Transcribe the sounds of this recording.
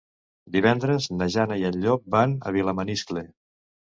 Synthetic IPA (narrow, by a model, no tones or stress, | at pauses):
d̪iβɛnd̪ɾəznəʒanəiəʎʎɔbanə̰β̞iləməniskle